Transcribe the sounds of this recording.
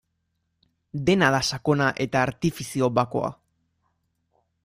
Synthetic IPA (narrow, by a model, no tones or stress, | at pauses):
d̪e̞naðasako̞naʔe̞t̪aːɾt̪ifisio̞βako̞̰a̰